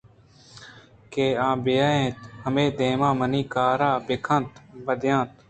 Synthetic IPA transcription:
keːãːbejaːẽːt̪həmeːd̪ẽːmãːmənĩːkaːɾaːbɪkʰə̃nt̪bəd̪jãːt̪̚

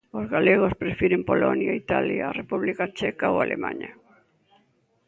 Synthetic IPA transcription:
ozɣaleɣ̞ospɾefiɾempolonjait̪aljaːrepuβlikat͡ʃɛkaoalʔemã̰ɲa

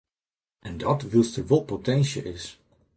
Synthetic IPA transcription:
ʔɛndɔtʋɪlˠstərʋɔlˠpotɛnsjə̰ɪs

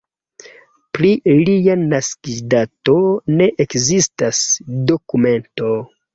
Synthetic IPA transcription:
pɾilijanaskidato̞ne̞ʔekzistasdo̞kume̞nto̞

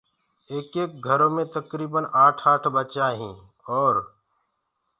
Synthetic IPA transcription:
eːkeːk̚ɡʱəɾõːmẽt̪əkɾiːbənʔaːʈʰaːʈʰbət͡ʃaːɦĩː | ɔːɾ

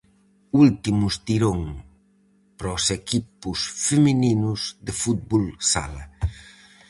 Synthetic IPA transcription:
ult̪imʊst̪iɾoŋ | pɾɔsekipʊsfemininʊzd̪efut̪̚bolsa̰lɐ

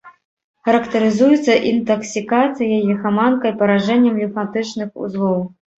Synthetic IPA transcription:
xɐɾɐkt̪ɐɾɨzujɛt̪sːɐʔint̪ɐksʲikat̪sɨjɐjɐxamankɐjpɐɾaʐɛnʲːɐmlʲufat̪ɨt͡ʂnɨxṵzlˠɔw

